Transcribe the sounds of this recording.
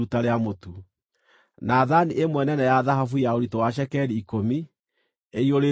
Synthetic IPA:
utaɾeamotu | naðaniʔemwɛnɛnɛjaðaɦafujaoɾitowaʃ̬ɛkɛɾiːkomi | eioɾe

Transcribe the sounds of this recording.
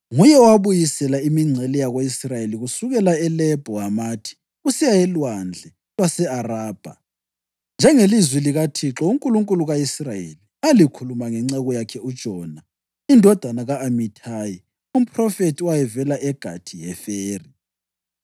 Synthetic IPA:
ŋujɛɔwaβujisɛlaimiŋ͡ǀʱɛlɛjaɣweisrajeliɣusuɣɛlaɛlɛb̥ʱɔamaːtʰi̥ | ɣusijajɛlwand͡ɮʱɛ | lwasɛaraːb̥ʱa̰ | nd͡ʒʱɛŋelizwiliɣatʰiǁɔuŋkʼuluŋkʼuluɣaisrajḛlialikʰulumaŋɛŋ͡ǀɛɣɔjakʰɛud̥ʒ̥ʱɔna | indʱɔd̥ʱanaɣaʔːmitʰaːji | um̩pʰʼrɔfetʰuwajɛvɛlaʔɛɡ̥ʱa̰tʰijɛfeːri

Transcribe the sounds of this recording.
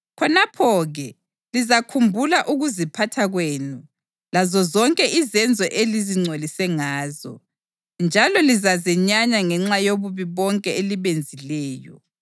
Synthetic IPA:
kʰɔnapʰɔɣɛ | lizakʰumbʱulaʔuɣuzipʰatʰaɣweːnu | lazɔzɔŋkʼɛʔizɛnd͡zʱɔʔeliziŋ͡ǀʱolisɛŋaːzɔ̰ | nd͡ʒʱalɔlizazɛɲaɲaŋɛŋ͡ǁajoβuβiβɔŋkʼɛeliβend͡zʱilɛːjɔ̰

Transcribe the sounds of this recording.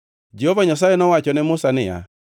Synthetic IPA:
d͡ʒɛhɔvaɲasaɛnɔwat͡ʃɔnɛmosanɪja̰

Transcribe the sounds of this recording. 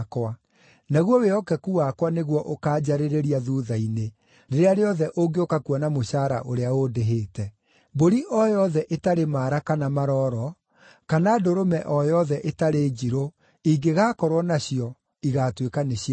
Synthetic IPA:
kwa | naɣwɔweɔkɛkuwakwaneɣwɔʔokaːd͡ʑaɾeɾeɾiaðuðaine | deɾeaɾeɔðɛʔoŋɡeokakuanamoɕaɾa̰ʔoɾeaodeɦeːtɛ | boɾiʔɔjɔðɛʔetaɾemaːɾakanamaɾɔɾɔ | kanadoɾomɛʔɔjɔðɛʔetaɾeːd͡ʑiɾo | iɡeɣaːkɔɾwɔnaɕiɔ | iɣaːtwekaneɕi

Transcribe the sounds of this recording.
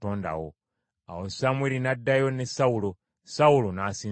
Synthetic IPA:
to̞ːnda̰wo̰ | a̰wosamwelinadːajo̞nesawulo | saulonasiː

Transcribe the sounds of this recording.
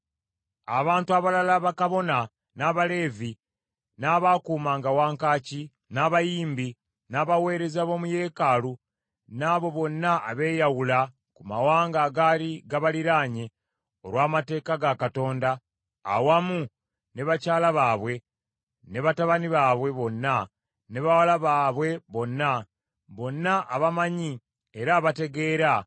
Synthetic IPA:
aβaːntuaβalalaβakaβo̞na | naːβale̞ːvi | naːβakuːmaːŋɡawaːŋkaːci | naːβajiːmbi | naβawe̞ːɾe̞zaβo̞ːmuje̞ːkalu | naːβo̞βo̞nːaʔːβe̞ːjawula | kumawaːŋɡaːɡaːliɡaβaliɾaːɲe | o̞ɾwaːmate̞ːkaɡakato̞ːnda̰ː | wamu | ne̞βacaːlaβaːβwe̞ | ne̞βataβaniβaːβwe̞βo̞nːa | ne̞βawalaβaːβwe̞βo̞nːa | βo̞nːaʔːβamaɲi | eɾaːβate̞ɡe̞ːɾa

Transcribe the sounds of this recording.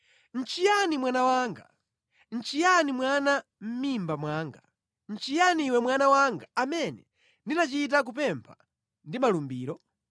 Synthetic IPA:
n̩t͡ʃijanimwanawaːŋɡa̰ | n̩t͡ʃijanimwanam̩mimbamwaːŋɡa | n̩t͡ʃijaniːwɛmwanawaŋɡaamɛnɛ̰ | ndinat͡ʃit̬ak̬upɛmpʰa | ndimalumbiːɾɔ

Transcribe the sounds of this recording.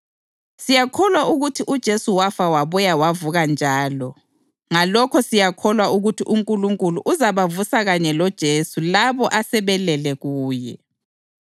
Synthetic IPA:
sijakʰɔlwauɣutʰiʔud̥ʒ̥ʱesuwafawaβɔjawavuɣand͡ʒʱaːlɔ | ŋalɔkʰɔsijakʰɔlwauɣutʰiʔuŋkʼuluŋkʼuluʔuzaβavusaɣaɲɛlɔd̥ʒ̥ʱesulaβɔʔasɛβɛlɛlɛɣuːjɛ̰

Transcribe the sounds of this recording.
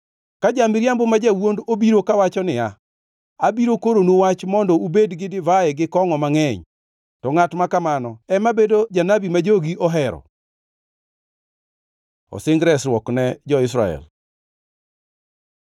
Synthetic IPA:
kad͡ʒamɪɾjambomad͡ʒawondobiɾokawat͡ʃɔnɪa | abiɾokoɾonuwat͡ʃmɔndɔubedɡɪdɪvaɛɡɪkɔŋɔmaŋɛɲ | tɔŋatmakamanɔɛmabedod͡ʒanabimad͡ʒoɡiʔɔɦɛɾɔ̰ | ɔ̰sɪŋɡɾɛsɾwɔknɛd͡ʒɔɪsɾa̰ɛ̰l

